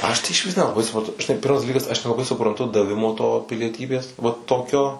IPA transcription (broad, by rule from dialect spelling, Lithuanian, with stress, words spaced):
ˈɐʃ tɐɪ ɪʃʲˈʋʲɪs nʲɛlˠɐˈbɐɪ sʊprɐnˈtʊ ʒʲɪˈnɐɪ ˈpʲɪrmɐs dɐˈlʲiːkɐs ɐʃ nʲɛlˠɐˈbɐɪ sʊprɐnˈtʊ dɐˈʋʲɪmoː toː pʲɪlʲiɛˈtʲiːbʲeːs ʋɐ ˈtoːkʲoː